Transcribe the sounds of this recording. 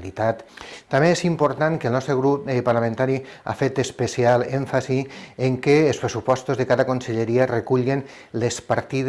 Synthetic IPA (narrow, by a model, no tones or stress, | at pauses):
lit̪at̪ːameesimpoɾt̪aŋkelˠnɔst̪ɾeɣɾupepaɾlamẽnt̪aɾia̰fet̪espesialeɱfasieŋkeelˠspɾesupɔst̪ozðekaðakonseʎeɾiarekuʎɣen | lespaɾt̪ið